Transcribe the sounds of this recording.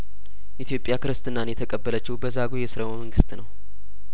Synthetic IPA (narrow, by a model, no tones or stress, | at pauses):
ʔit̪ʰjo̞pʼːjakɨɾɨst̪ʼɨnːanjɛt̪ʰəkʼəbːələt͡ʃːɪwbəzaɡojɛsɨɾəwməŋɡɨst̪nəw